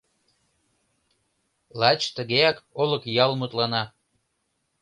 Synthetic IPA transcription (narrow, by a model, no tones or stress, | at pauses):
lɑt͡ɕt̪əɣeɑkoləkjɑlmot̪lɑnɑ